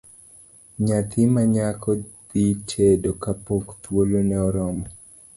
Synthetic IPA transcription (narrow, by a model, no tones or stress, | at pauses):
ɲat̪ʰɪmaɲakʰɔd̪it͡ʃedokapokt̪wolonɛɔɾɔmɔ